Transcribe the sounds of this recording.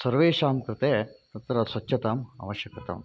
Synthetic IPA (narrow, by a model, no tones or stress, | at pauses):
sɐɾʋeːʃaːmkɾɪt̪eːt̪ɐt̪ɾɐsʋɐtːʃɐt̪aːmɐ̰ʋɐʃjɐkɐt̪ɐ̰ːm